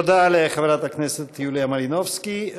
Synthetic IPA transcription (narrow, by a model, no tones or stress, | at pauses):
od̪aleχevɾat̪akneset̪juliamalinovski